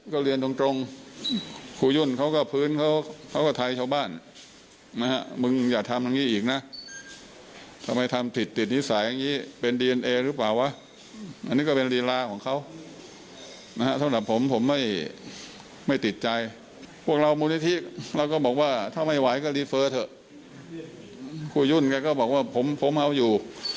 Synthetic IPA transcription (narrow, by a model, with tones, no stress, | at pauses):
kɔː˥˩ɾi˧əndu˧ŋt̪ɾo˧ŋ | kʰuː˧ju˥˩nkʰa˦˥wkɔː˥˩pʰɯː˦˥nkʰa˦˥wkʰa˦˥wkɔː˥˩t̪ʰa˧jt͡ɕʰaː˥˧˩wbaː˥˩n | na˦˥kʰa˦˥mɯ˧ŋjaː˨˩k̚t̪ʰa˧mja˧ŋːiː˦˥ʔiː˨˩k̚na˦˥ʔ | t̪ʰa˧ma˧jt̪ʰa˧mt̪ʰi˨˩t̪ːi˨˩t̪̚ni˦˥saː˩˦ja˧ŋːiː˦˥pe˧ndiː˧e˧nʔeː˧ɾɯː˦˥plaː˨˩wa˦˥ | ʔa˧nːiː˦˥kɔː˥˩pe˧nɾiː˧ɾaː˧kʰɔː˩˦ŋkʰa˦˥w | na˦˥ha˦˥t̪ʰa˧˥˧kɾa˨˩pʰːo˩˦mpʰo˩˦mːa˥˩j | ma˥˩jt̪i˨˩t̪̚t͡ɕa˧j | pʰu˥˩ək̚ɾa˧wmuː˧ni˦˥t̪ʰi˦˥ʔɾa˧wkɔː˥˩bɔː˨˩k̚waː˥˩t̪ʰaː˥˩ma˥˩jwa˨˦jkɔː˥˩lɾiː˧fɤː˧t̪ʰɤ˨˩ʔ | kʰuː˧˩ju˥˩nkɛː˧kɔː˥˩bɔː˨˩k̚waː˥˩pʰo˩˦mpʰo˨˦mʔa˧˥wjuː˨˩